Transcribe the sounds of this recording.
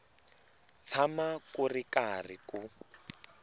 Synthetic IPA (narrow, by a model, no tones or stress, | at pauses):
t͡sʰamakurikarḭku